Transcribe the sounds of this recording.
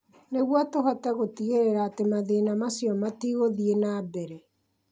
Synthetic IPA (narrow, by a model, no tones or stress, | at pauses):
neɣwatoɦatɛɣotiɣeɾeɾaːtemaðeːnamasjɔmatiːɣoðienaːbɛɾɛ